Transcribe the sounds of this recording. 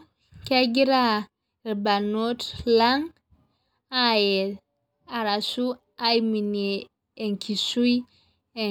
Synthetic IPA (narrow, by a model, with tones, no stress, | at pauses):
ke˦ɡi˦ɾa˦˨ | ɾba˨no˦tla˦ŋ | a˨je˨l | a˨ɾa˨su˦ | a˦jmi˨nieː˨ | ŋkʰi˨su˦i˦ | e˨